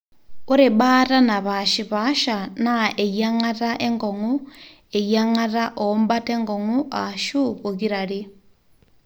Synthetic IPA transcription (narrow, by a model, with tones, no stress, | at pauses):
u˦ɾi˨ɓata˦na˨βaʃi˨βa˦ʃanae˨ja˦ŋa˦ta˦ʔe˦ŋɡo˨ŋu | e˨jaŋa˦ta˦ʔombate˦ŋɡo˨ŋuaʃu˦βo˨ɣi˦ɾa˨ɾi˦